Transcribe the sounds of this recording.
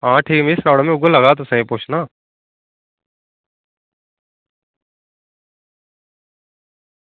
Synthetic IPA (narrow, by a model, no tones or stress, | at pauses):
ɦãːʈʰiːkmisnɔːɽomẽʊɡolɐɡat̪̬ʊsẽĩpuːt͡ʃʰnaː